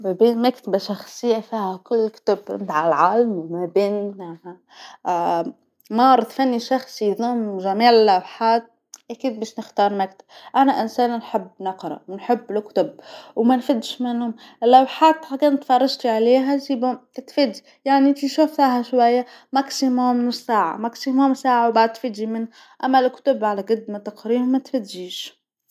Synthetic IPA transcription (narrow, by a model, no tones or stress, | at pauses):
mabiːnmakt̪abaʃɑxsˤɪjːafiːhakʊlːkt̪ab̰nɪd̪ʕalʕaːlmmabiːnmaha | mɑːɾˤt̪fanːiʃɑxsˤiðˤʊmʒamiːʕɪlːawħaːt̪̚ | ʔækiːd̪̚bæːʃnɪxt̪ɑːɾˤmakt̪ḁbʔanaʔɪnsæːnnħɪbːnɑqɾˤɑ̰wnħɪbːlkt̪ʊbwmænfɪd̪ːʃmɪnhʊm | ɪlːawħaːt̪ħakænt̪fɑrˤːɑʒt̪iʕaliːɦæsiːbʊmt̪fɪd̪ːi | jaʕnit̪iʃuft̪aɦæʃwajːa | maksimʊmssaːʕa̰maksimʊmsaːʕawbaʕd̪̚t̪ːfɪd̪ʒimɪnː | ʔæmːælkt̪ʊbʕalæɡɑd̪mat̪ɑqɾiːɾʊmæt̪fæd̪ʒiːʃ